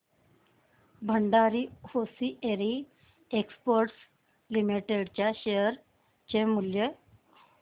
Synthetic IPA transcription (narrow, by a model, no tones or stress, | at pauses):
bʱəɳɖaɾihosieɾi | ekspəɾʈs | limiʈeɽt͡ɕjaɕejəɾ | t͡ɕemuljə